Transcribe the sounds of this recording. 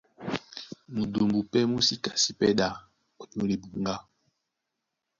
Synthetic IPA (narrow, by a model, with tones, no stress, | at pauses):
mu˨do˨mbu˨pɛ˦mu˦si˦ka˨si˦pɛ˦ɗa˦ | o˨ɲo˦li˨bu˨ŋɡa˦